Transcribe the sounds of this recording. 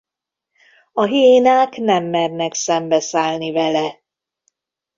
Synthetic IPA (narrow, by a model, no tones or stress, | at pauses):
ɒɦeːnaːknɛmːɛrnɛksɛmbɛsaːlnivɛlɛ